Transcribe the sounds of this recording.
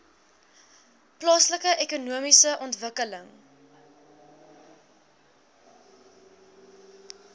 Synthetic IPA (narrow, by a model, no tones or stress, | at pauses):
plɑːsləkəʔekunuəmisəʔɔntvəkələŋ